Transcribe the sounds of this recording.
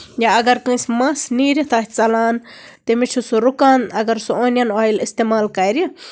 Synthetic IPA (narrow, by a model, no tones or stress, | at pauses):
jaɐɡɐɾkɨ̃smɐsniːɾɐt̪ʰaht͡sɐlaːn | t̪emit͡ʃʰusuɾukaːnɐɡɐɾsuonjɐnoilist̪emaːlkɐjɾji